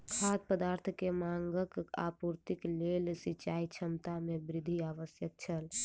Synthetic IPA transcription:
kʰad̪̚pəd̪aɾt̪ʰkemaŋɡəka̰puɾt̪iklelsit͡ʃait͡ʃʰəmt̪amebɾid̪ʱiaʋəsjək̚t͡ʃʰəl

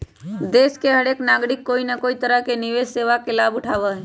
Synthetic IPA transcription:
d̪eːskeɦəɽeːknaːɡɽɪkːoːinəkoːit̪əɾəɦkenɪʋesseːʋakelaːbʊʈʰaːʋaɦɛ

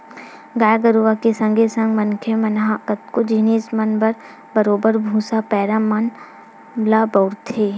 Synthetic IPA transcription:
ɡaːjɡəɾuʋakesɐ̃ŋɡesɐ̃ŋɡmɐnkʰemɐnɦakət̪kod͡ʒiːniːsmɐnbəɾ | bɐɾoːbəɾbʱuːsapɛːɾaman | labɐːɾt̪ʰeː

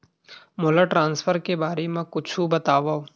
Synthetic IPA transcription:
molaʈɾãːnsfʰəɾkebaːɾemẽkʊt͡ʃʰũbɐt̪aːʋa

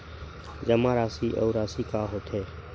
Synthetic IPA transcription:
d͡ʒəmãːɾaːsiːʔɔ̰ʊɾaːsiːkaːɦoːt̪ʰɦeː

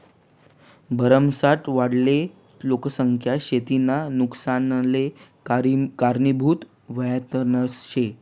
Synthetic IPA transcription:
bʱəɾəmsaʈ̪ʋaɽle | loksəŋkʰjaɕet̪inanuksanle | kaɾnibʱuːt̪ | ʋəjat̪ənəsɕe

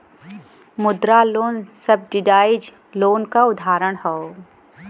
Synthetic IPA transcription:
mʊd̪ɾaloːnsɐb̚ɖɪɖaːɪd͡ʒ | loːnkaʊd̪ʱaːɾəɽ̃hoo

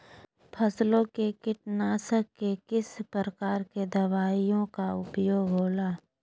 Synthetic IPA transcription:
pʰəslõkekɪʈnaːsəkːekɪspɾəɾəkaːɾked̪ɐʋaːijõkaʊpjoːɡɦoːlaː

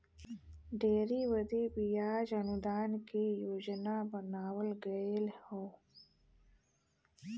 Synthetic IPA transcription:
ɖeːɾiwɐd̪ebijaːd͡ʒɐnud̪aːnkejoːd͡ʒnabɐnaːwəlɡəelho

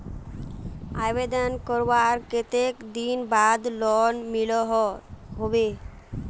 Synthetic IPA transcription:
abed̪ankɔɾwaɾket̪ekd̪inbad̪lɔnmilɔɦɦobe

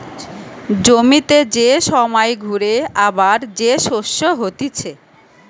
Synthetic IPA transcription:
d͡ʑomit̪ed͡ʑeʃɔmɔjɡʱuɾeabaɾd͡ʑeʃoʃːoɦot̪it͡ɕʰe

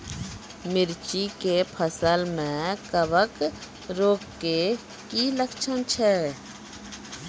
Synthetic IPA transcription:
mɪɾt͡ʃikepʰəsəlmẽkəbək | ɾoːkːe | kiləkt͡ʃʰənt͡ʃʰɛ

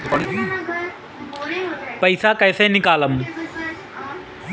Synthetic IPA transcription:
pəɪsaːkɛːsẽːnɪkaːləm

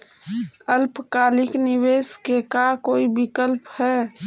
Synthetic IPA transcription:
əlpkaːlɪknɪweːskekakoːibɪkəlphɛː

